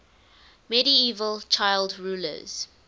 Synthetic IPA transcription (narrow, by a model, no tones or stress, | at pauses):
mɛɾiiːvəlˠt͡ʃʰaɪldɹuːlə̰z̥